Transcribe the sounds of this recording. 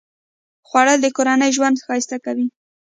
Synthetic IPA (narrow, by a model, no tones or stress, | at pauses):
xwaɽəld̪əkoɾanəjʒwand̪xɑjist̪akawi